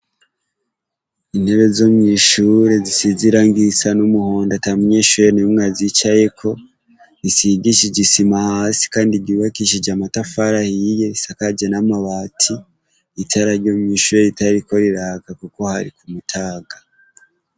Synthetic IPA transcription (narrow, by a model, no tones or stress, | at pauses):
in̥he̞βe̞zomɲiːʃuɾe̞zisiziɾaŋɡisanumuho̞ːndatamuɲeʃuɾenimŋazit͡ʃaje̞kʰo̞ | ɾisiɡiʃid͡ʒisimahaːsi̥kaːndibɟiːβakiʃ̬id͡ʒamatafaɾahijeisakad͡ʒenamaβaːtʰiː | tʰaɾaɾjoːmɲiːʃuːɾeitaɾiko̞ɾiɾaːɡakuko̞haɾḭkumutʰaːɡa